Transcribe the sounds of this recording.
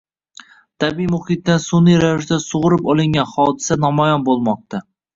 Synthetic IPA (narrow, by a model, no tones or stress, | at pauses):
t̪ʰabiimʊhɪt̪̚ːansʊnijɾavɪʃd̪asʊʁʊɾɪpɒlˠɪŋʲanhɒd̪ɪsanɒmɒjɒnbolˠmɒq̚t̪a